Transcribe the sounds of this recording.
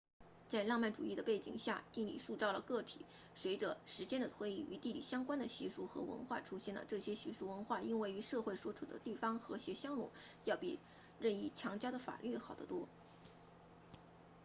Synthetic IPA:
t͡sa˥˧ɪlɑ˥˧ŋma˥˩nʈ͡ʂṵ˨˩i˥˩d̪ə˩pe˥˩ɪt͡ɕḭ˨˩ŋɕja˥˧t̪i˥˧lḭ˨˩ʂu˥˧t͡sɑ˥˩ʊlə˩kɤ˥˩t̪ʰḭ˨˦ | swe˧˥ɪʈ͡ʂɤ˧ʂɻ̩˧˥t͡ɕjɛ˥nd̪ə˨t̪ʰwe˧˥ɪi˥˩y̰˧˥t̪i˥˩li˨˩ɕjɑ˥ŋkwa˥nd̪ə˨ɕi˧˥ʂu˥˩xɤ̰˧˥wə̰˧˥nxwa̰˥˩ʈ͡ʂʰu˥ɕjɛ˥˩nlə̰˩ʈ͡ʂɤ˥˩ɕjɛ˥ɕi˧˥ʂu˥˩wə˧˥nxwa˥˩i˥nwe˥˩ɪy˧˥ʂɤ˥˧xwe˥˩ɪʂwɔ˥ʈ͡ʂʰu˨˩d̪ə̰˦t̪i˥˩fɑ˥ŋxɤ˧˥ɕjɛ˧˥ɕjɑ˥ŋlɔ̰˨˩˦ | jɑ˥˩ʊpḭ˨˩ | ɻə˥˧ni˥˩t͡ɕʰjɑ˧˥ŋt͡ɕjɑ˥d̪ə˨fa̰˨˩ly˥˩xɑ˨˩ʊd̪ə˦t̪wɔ˥

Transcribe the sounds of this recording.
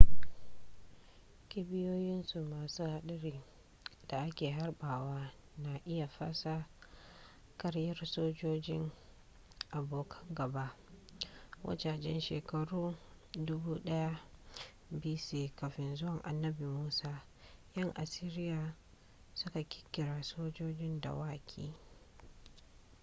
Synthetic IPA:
kʲɪ˦bɪ˦joː˦jɪ˦nsu˨maː˨suː˦ha˦ɗɐ˦ɾiː˨ | d̥a˨ʔa˦kʲeː˨ɦa˦rɓaː˨waː˦ | na˨ʔɪ˦ja˨ɸa˦sa˦ | kʼɐ˦ɽjɐ˦rsoː˦d͡ʒoː˦d͡ʒɪ˦ŋ | ʔa˨boː˦kɡɐ˨ba˦ʔ | wʔɐ̰˦t͡ʃa˨d͡ʒɛ˦nʃḛː˨kɐ˨ɽuː˦dʊ˦buː˦ɗɐ˦ja˦ | biː˦seː˦˨kɐ˨ɸɪ˦nzʊ˦wɐ˨ŋʔa̰˨nːɐ˦bi˨muː˦saː˦ | jɐ˦ŋʔa˨siː˦ɾɪ˦jaː˨ | sʊ˦ka˨kʲɪ̥˦kʲːɪ˨ɾaː˨soː˦d͡ʒoː˦d͡ʒɪ˦nda̰˨waː˦kʲʰḭː˦˨

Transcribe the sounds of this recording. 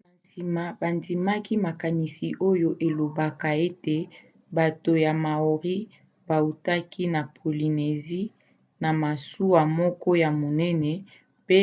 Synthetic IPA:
na˨si˨ma˨ba˨ndi˨ma˦ki˦ma˨ka˨ni˨si˨ʔo˦jo˦ʔe˨lo˨ba˦ka˨e˦te˨ | ba˨to˨ja˨ma˨o˨ʁi˦ | ba˨u˨ta˦ki˦na˨pʰo˨li˨ne˨zi˦ | na˨ma˨su˦wa˨mɔ˦kɔ˦ja˨mo˨nɛ˦nɛ˨ | pe˦

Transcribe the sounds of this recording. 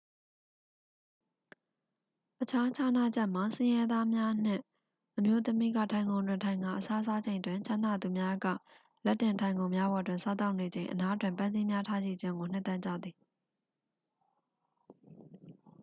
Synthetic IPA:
ʔət͡ɕʰa˦t͡ɕʰa˨na̰˦˨d͡ʑɛ˦ʔma˨sɪ̃˦jɛ˦d̪a˦mja˦n̥ɪ̰̃˦˨ | ʔəmjo˦t̪əmḭ˦˨ɡa̰˦˨tʰã˨ɪ̃ŋɡõ˨ʊ̃ndwɪ̃˨ntʰã˨ɪ̃ŋa̰˦˨ʔəsa˦sa˦d͡ʑẽ˨ɪ̃ndwɪ̃˨ɲt͡ɕʰã˦˨na˨d̪u˨mja˦ɡa̰˦˨ | lɛ˦tːɪ̃˨ntʰã˨ɪ̃ŋɡõ˨ʊ̃mja˦bɔ˨dwɪ̃˨nsa˦t̪̬a˦ʊʔne˨d͡ʑẽ˨ɪ̃ʔəna˦ətwɪ̃˨mpã˦nzi˦mja˦tʰa˦d͡ʑḭ˦˨d͡ʑɪ̃˦ŋɡo˨n̥ɪ˦ʔt̪ɛ˦ʔt͡ɕä̰˦˨d̪ði˨

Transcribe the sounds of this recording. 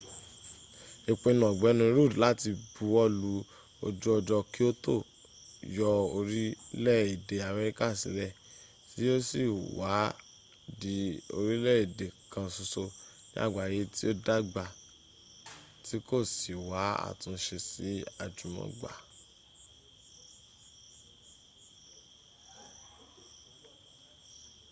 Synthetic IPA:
i˨k͡pẽ˧nɔ̃˨ɡ͡bɛ˨˦nũ˧˦ɾu˦˨dla˦ti˧bu˨˦wɔ˦lu˧ | ɔ̰˧d͡ʒɔ˦ɔ˧d͡ʒɔ˧ki˦o˦to˦˨ | jɔ˧o˧ɾi˦lɛ˦˨i˨de˨a˨mɛ˧ɾi˦ka˦˨sḭ˨˦ɾɛ˦˨ | ti˦o˦si˦˨wa˨˦ | di˨˦o˧ɾi˦lɛ˦˨i˨de˨kʰã˧su˧so˧ | nḭ̃˦a̰˦˨ɡ͡ba˨je˨˦ti˦o˦da˦ɡ͡ba˧ | ti˨˦ko˦˨si˨wa˨˦a̰˦˨tũ˨˧˦ʃe˧si˨˦a̰˦˨d͡ʒũ˨mɔ̰̃˨˦ɡ͡ba̰˨

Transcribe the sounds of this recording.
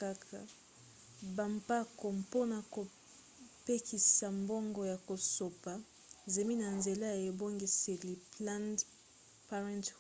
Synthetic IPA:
ka˦kʰa˨ | ba˨mpa˦ko˨mpo˦na˨ko˨ | pe˦kʰi˨sa˨mbɔ˦ŋɡɔ˨ja˨ko˨so˨pa˨ | ze˨mi˦na˨nze˨la˦ja˨e˨bo˦ŋɡi˨se˨li˨pla˦nd | pa˦ʁɛ̃˦nt

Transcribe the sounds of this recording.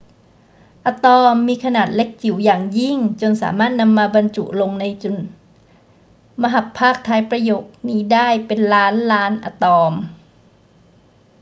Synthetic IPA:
ʔa˧t̪ɔː˧mːiː˧kʰa˧naː˨˩t̪̚le˦˥k̚t͡ɕʰi˨˩˦wjaː˨˩ŋji˥˩ŋt͡ɕo˧nsa̰ː˩˦maː˥˩t̪̚na˧mːaː˧ba˧nt͡ɕṵ˨˩ʔlo˧ŋna˧jt͡ɕo˨˩n | ma˧ɦa˨˩pʰːaː˥˩k̚t̪ʰaː˧˥jpɾa˧joː˨˩k̚niː˦˥daː˥˩jpe˧nlaː˦˥nlaː˦˥nʔa̰˧t̪ɔː˧m

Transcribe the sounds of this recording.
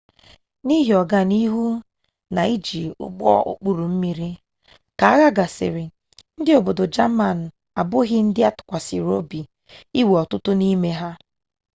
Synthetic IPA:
ni˦ɦi˨ɔ˨ɡa˦ni˦ɦu˦ | na˨i˦d͡ʒi˨ʊ̰˦ɡ͡bɔ̰˦ʊ̰˨k͡pu˦ɾu˨m̩˦mi˦ɾi˦ | ka˨a˦ɣa˦ɡa˨sɪ̰˨ɾɪ˨ | n̩˦dɪ˦o˨bo˨dʊ˨d͡ʒa˦ma˦˨n̩˨ | a˨bʊ˦ɣɪ˦n̩˦dɪ˦a˦tʊ̥˨kʷa˨sɪ˨ɾo˦bi˨ | i˦we˨ɔ˨tʊ˦tʊ˦ni˦me˦ɦa˦

